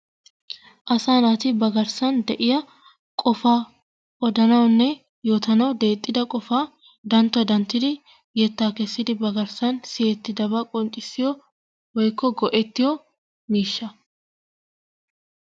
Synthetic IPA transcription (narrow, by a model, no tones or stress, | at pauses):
ʔɐsaːnaːt̪ɪbɐɡɐɾsɐnd̪ɛʔɪjɐ | kʼɔfaː | ʔɔd̪ɐnɐwnːɛ | joːt̪ɐnɐwd̪e̞ːt̪ʼːɪd̪ɐkʼɔfaː | d̪ɐnt̪ːʊɐd̪ɐnt̪ːɪd̪ɪ | jɛt̪ːaːkɛsːɪd̪ɪbɐɡɐɾsɐnsɪjɛt̪ːɪd̪ɐbɐkʼɔnt͡ʃʼːɪsːɪjɔ | wɔjkːɔɡɔʔɛt̪ːɪjɔ | miːʃːɐ